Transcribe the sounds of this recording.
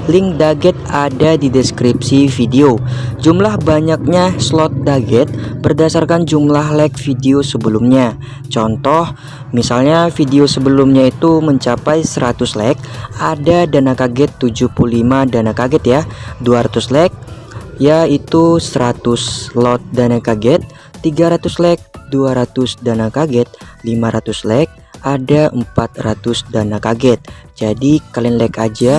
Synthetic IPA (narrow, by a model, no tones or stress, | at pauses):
lɪŋdaɡɛt̪̚adadidɛskɾipsifideod͡ʒumlahbaɲak̚ɲaslɔt̪̚daɡɛt̪̚bərdasarkand͡ʒumlaɦlɛk̚fideosəbəlumɲa | t͡ʃɔnt̪ɔh | misalɲafideosəbəlʊmɲait̪uməɲt͡ʃapajsəɾat̪ʊslɛk̚adadanakaɡɛt̪ːud͡ʒuhpulimadanakaɡɛt̪jaduaɾat̪uslɛk̚ | jait̪usəɾat̪ʊslɔt̪̚danakaɡɛt̪̚ː | iɡaɾat̪ʊslɛk̚duaɾat̪ʊsdanakaɡɛt̪̚limaɾat̪uslɛk̚ | ʔadaʔəmpat̪̚rat̪ʊsdanakaɡɛt̪̚d͡ʒadikalɛnlɛkad͡ʒa